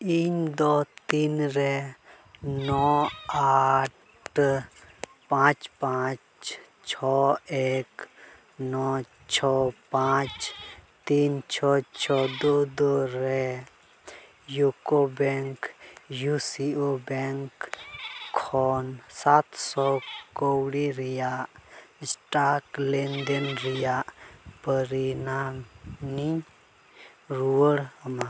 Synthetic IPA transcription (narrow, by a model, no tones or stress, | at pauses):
iɲd̪ɔt̪inɾɛ | nɔa | ʈ | pãt͡ʃpãt͡ʃ | t͡ʃʰɔek | nɔ | t͡ʃʰɔpãt͡ʃt̪iːnt͡ʃʰɔt͡ʃʰɔd̪od̪oɾɛ | jukobɛŋkjusiobɛŋkʰː | ɔnsat̪sɔkowɽiɾijaʔsʈaklend̪enɾijaʔpəɾinamni | ɾuəɽma